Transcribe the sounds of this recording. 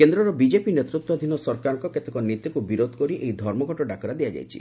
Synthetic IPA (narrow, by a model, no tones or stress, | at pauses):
kend̪ɾɔɾɔbid͡ʒepinet̪ɾut̪wɔd̪ʱinɔsɔɾkaɾɔŋkɔket̪ekɔnit̪jɔkubiɾod̪ʱkɔɾiʔejd̪ʱɔɾmɔɡʱɔʈɔɖakɔɾad̪iad͡ʒa̰jt͡ʃʰḭ